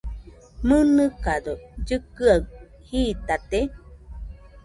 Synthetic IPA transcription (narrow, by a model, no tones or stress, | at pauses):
mɨnɨkad̪od͡ʒɨkɨaw | hiːt̪at̪e